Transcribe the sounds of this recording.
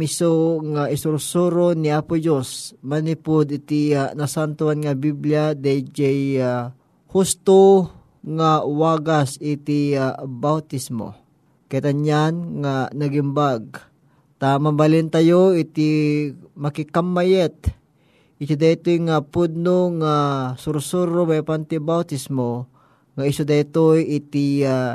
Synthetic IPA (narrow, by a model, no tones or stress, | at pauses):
ɪsoŋaʔɪsʊɾʊsuɾonɪapʊd͡ʒosmɐnipod̪ɪt̪ianasant̪oanŋabibljad̪ad͡ʒɛja | hust̪o | ŋawaɡasɪt̪iabawt̪ismo̰ | kɐjt̪anjanŋanɐɡɪmbaɡ̚ | t̪amɐmbɐlɪnt̪ajoɪt̪i | mɐkɪkamːajɛt̪̚ | ʔɪsʊd̪aɪt̪ojŋapud̪̚noŋasuɾʊsuɾomɐjpant̪ɪbawt̪ɪsmo | ŋaɪsʊd̪aɪt̪ojɪt̪ɪa